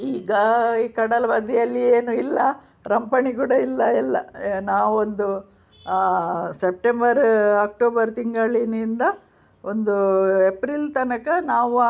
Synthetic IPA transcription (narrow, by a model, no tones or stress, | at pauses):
iːɡɐiːkɐɽɐlɐʋɐd̪ijɐlːieːnuilːɐ | ɾɐmpɐɳiɡuːɽɐilːɐɛlːɐnaːʋuond̪u | sep̚ʈembɐɾaːk̚ʈoːbɐɾt̪iŋɡɐɭːinːnd̪ɐ | ond̪uepɾilt̪ɐnɐkɐnaːʋu